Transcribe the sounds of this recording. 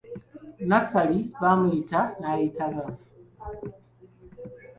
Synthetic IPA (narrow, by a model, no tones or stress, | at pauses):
nasaliβamuitanajitaðam